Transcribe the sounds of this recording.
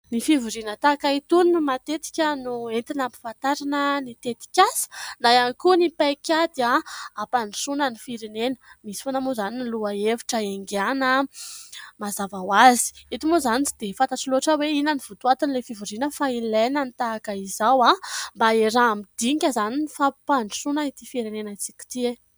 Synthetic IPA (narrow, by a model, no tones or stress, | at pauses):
nifivuɾinət̪akait̪unmat̪et̪i̥kʲənuent̪inampi̥fant̪aɾanənit̪et̪i̥kʲasə̥najanikunipajkʲad̪aapanisunənifiɾenenəmisi̥fonamozaniniluaevi̥ʈ͡ʂəeŋɡanə | mazavawazi̥it̪imozanit͡sid̪̥efant̪aʈ͡ʂiloaʈ͡ʂəweinəniv̥ut̪uat̪inilefivuɾinəfailenənit̪akəizawambaeɾamid̪̥ikʲazaninifapanisunait̪ifiɾenenat͡si̥kʲi̥t̪ie